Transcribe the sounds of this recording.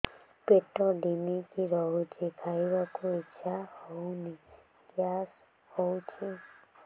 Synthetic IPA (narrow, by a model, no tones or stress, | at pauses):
peʈɔɖimikiɾɔɦut͡ʃʰekʰajbakuitːʃʰahɔwni | kjas | hɔwt͡ʃʰe